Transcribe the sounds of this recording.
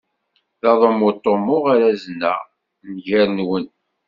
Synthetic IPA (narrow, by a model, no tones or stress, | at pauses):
ðɑðˤomʊt̪ˤːomːʊʁaɾæznæ̰ | nʝæɾnwən